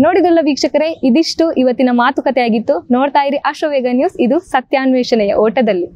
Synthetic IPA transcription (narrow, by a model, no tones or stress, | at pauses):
noːɽid̪ulːɐʋiːkʂɐkɐɾe̞id̪iʂʈuʔiʋɐt̪ːinɐmaːt̪ukɐt̪ɛjaːɡit̪ːunoːɽt̪aːjiɾiʔɐʃɐʋeːɡɐnjuːsid̪usɐt̪jaːnʋɛːʂɐnɛjɐ̰ʔoːʈɐd̪ɐlːi